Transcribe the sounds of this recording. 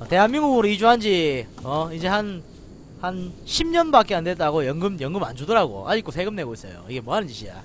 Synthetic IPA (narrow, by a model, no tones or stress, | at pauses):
ʌte̞ɦanmiŋɡuuɾɯid͡ʑuɦand͡ʑiʌid͡ʑe̞han | hanɕʰimɲʌnbak͈eandwe̞t̚t͈aɡojʌŋɡɯmjʌŋɡɯmand͡ʑudɯɾaɡo̰ʔa̰d͡ʑik͈osʰe̞ɡɯmne̞ɡois͈ʌ̰jo̰iɡe̞mwʌɦanɯnd͡ʑiɕʰija̰